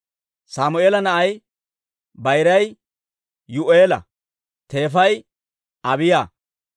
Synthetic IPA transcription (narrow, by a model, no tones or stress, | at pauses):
saːmʊeːlɐnɐʔɐj | bɐjɾɐj | jʊʔeːlɐ̰ | t̪e̞ːfɐj | ʔɐbɪjaː